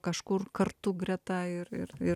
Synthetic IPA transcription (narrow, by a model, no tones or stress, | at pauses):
kɐʃkʊrkɐrt̪ʊɡrʲɛt̪ɑːɪrɪ̰ɾɪ